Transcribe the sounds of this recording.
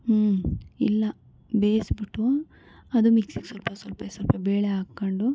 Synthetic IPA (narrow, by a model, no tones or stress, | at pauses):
ilːɐ | beːsbiʈːu | ɐd̪umiksiɡsɐlpɐsɐlpɐsɐlpɐbeːɭeaːɡkːoɳɖu